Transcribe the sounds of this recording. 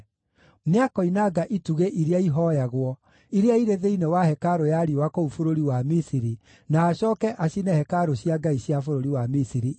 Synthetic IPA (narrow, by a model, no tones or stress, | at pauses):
neakɔinaɡaʔituɣeʔiɾeaiɦɔjaɣwɔ | iɾeaiɾeðeinewahɛkaɾojaɾiwakoufoɾoɾiwamisiɾi | naːɕɔːkɛʔaɕinɛhɛkaɾoɕjaɡaiɕjafoɾoɾiwamisiɾi